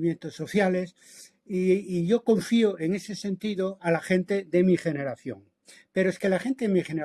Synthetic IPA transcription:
mjent̪osːo̞θjale̞s | iːʝo̞kõ̞ɱfioʔe̞ŋe̞se̞se̞nt̪iðoalaxe̞nt̪e̞ðe̞miχe̞ne̞ɾaθjo̞̰ŋ | pe̞ɾoeske̞laχe̞nt̪e̞ðemiχene

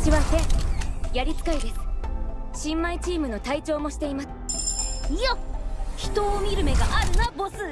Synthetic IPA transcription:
ɕiβasẽjaɾʲit͡sɨ̥kaid̪e̞sɨ̥ɕĩmːait͡ɕiːmɯ̟no̞t̪ait͡ɕo̞ːmo̞ɕi̥t̪e̞imasɨ̥ | ijoçi̥t̪oːmʲiɾɯ̟me̞ɡaʔaɾɯ̟nabo̞sɨ

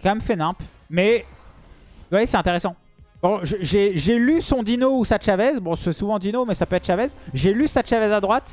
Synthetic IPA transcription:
kɑ̃mɛmfɛnɛ̃p | mɛ | t̪vajesɛt̪ɛ̃t̪eʁesɑ̃ | b̥ɔ̃ʒəʒeʒelysɔ̃d̪inousaʃavɛzbɔ̃sɛsuvɑ̃d̪inomɛsapøɛt̪ʃavɛzʒelysaʃavɛzad̪ʁwat̪

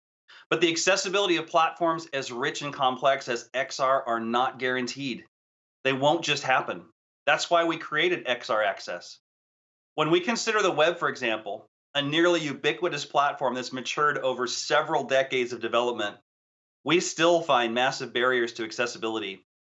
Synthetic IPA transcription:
b̥ʌt̪̚ðiɨksɛsɨbɪlˠəɾiʌv̥pʰl̥ætfɔɹmzɨzɹɪt͡ʃɨ̃nkʰɑ̃mpʰl̥ɛksɨzɛksɑɹʔə˞nət̚ɡ̥ɛɹɨ̃ntʰid̪̚ | ðeɪwõʊ̃nd̥ʒ̥ʌst̚hæpɨ̃n | ðætswaɪwikʰɹ̥ieɪɾɨɾɛksɑɹæksɛ̰s | wə̃nwikɨ̃nsɪɾə˞ðəwɛb̥fə˞ɨɡzæ̃mpl̩ˠ | ɨnɪɹlˠijʉbɪkwɨɾɨspʰl̥ætfɔɹmðɨtsmɨt͡ʃʰɜ˞ɾoʊvə˞sɛvɹl̩ˠdɛkeɪdzʌvdɨvɛlˠəp̚mɨ̃nʔ | wistɪlˠfãɪ̃nmæsɨvbɛɹiə˞z̥tʰɨɨksɛsəbɪlˠəɾi

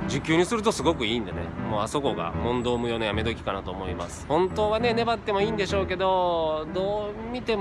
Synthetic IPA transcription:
d͡ʑɨkʲːɨːɲ̟isɨɾɯ̟t̪o̞sɨɡo̞kɯ̟iːnd̪enḛmo̞ːaso̞ko̞ɡa̰mõ̞nd̪o̞ːmɯ̟jo̞ːnojame̞d̪okʲi̥kanat̪o̞ːmo̞imasɨ̥hõ̞nt̪o̞ːβane̞ne̞bat̪ːe̞mo̞iːnd̪e̞ɕo̞ːke̞d̪o̞d̪oːmʲit̪e̞m

